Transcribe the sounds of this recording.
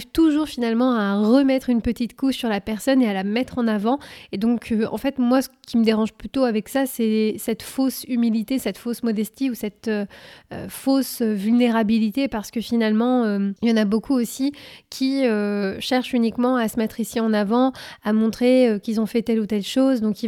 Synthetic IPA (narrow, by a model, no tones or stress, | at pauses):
vt̪uʒuʁfinalmɑ̃aʁəmɛt̪χynpət̪it̪kuʃsyʁlapɛʁsɔnealamɛt̪χɑ̃navɑ̃ed̪ɔ̃kʰøɑ̰̃fɛt̪mwasə̥kʲiməd̪eʁɑ̃ʒplyt̪oavɛksasɛsɛt̪fosymilit̪esɛt̪fosmɔd̪ɛst̪iusɛt̪øøfosøvylneʁabilit̪epaʁsə̥kəfinalmɑ̃øjɑ̃nabokʰuosikʲʰiøʃɛʁʃynikmɑ̃asəmɛt̪χisiɑ̃navɑ̃amɔ̃t̪χeøkʲilzɔ̃fɛt̪ɛlut̪ɛlʃozd̪ɔ̃ki